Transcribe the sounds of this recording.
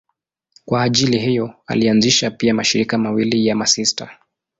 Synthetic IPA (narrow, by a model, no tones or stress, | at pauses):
kwaːʄiliɦijɔa̰lianziʃapiamaʃiɾikamawilijamasista̰